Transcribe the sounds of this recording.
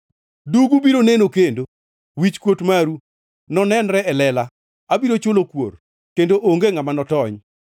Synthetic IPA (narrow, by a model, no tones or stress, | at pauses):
duɡubiɾonenokendo | wit͡ʃkwotmaɾu | nɔnɛnɾɛɛlɛla | abiɾot͡ʃolokwo̰r | kendoʔoŋɡeŋamanɔtɔɲ